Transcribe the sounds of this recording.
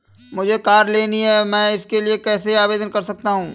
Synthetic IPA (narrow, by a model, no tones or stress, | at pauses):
mʊd͡ʒʱekaːɾleːniɦɛmɛ̃ːɪskeliekɛːseaːʋeːd̪ənkɐɾsɐk̚t̪aɦũː